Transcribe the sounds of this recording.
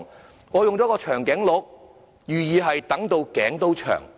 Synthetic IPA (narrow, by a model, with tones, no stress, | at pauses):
ŋ | ŋɔː˨˧jʊ˨ŋt͡sɔː˨˥kɔː˧t͡ʃʰœː˨˩ŋkɛː˨˥ŋlʊ˨˥k̚ | jyː˨jiː˨˧ɦɐ˨jt̪ɐ˨˥ŋt̪o˧wkɛ̰ː˨˥ŋt̪o˥wt͡ʃʰœ̰ː˨˩ŋ